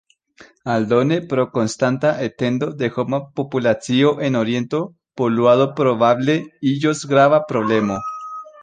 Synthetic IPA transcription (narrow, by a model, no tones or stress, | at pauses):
ald̪onepɾokonst̪ant̪aʔet̪end̪od̪exomapopulat͡sioʔenoɾje̞nt̪o | polwaðopɾoβaβleiʝosɡɾaβapɾoβlemo